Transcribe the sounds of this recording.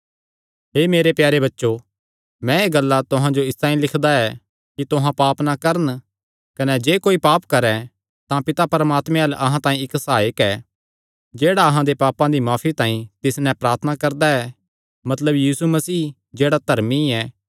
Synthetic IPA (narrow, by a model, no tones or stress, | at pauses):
ɦeːmeːɾepjaːɾeβɐtːʃo | mɛ̃eːɡɐlːat̪ʊɦãd͡ʒoɪst̪ãːĩlɪkʰd̪aɛ | kit̪ʊɦãpaːpnakɐɾən | kɐnɛd͡ʒeːkoːipaːpkɐɾɛ̃ | t̪ãpɪt̪apɐɾəmaːt̪mɛ̃ɐlʔɐɦãt̪ãːĩɪksaːɪkɛː | d͡ʒeːɽaɐɦãd̪epaːpãd̪imaːpʰit̪ãːĩt̪ɪsnɛ̃pɾaːɾt̪ʰənakɐɾd̪aɛ | mɐt̪ləbjiːsumɐsiː | d͡ʒeːɽat̪ɐɾmiɛː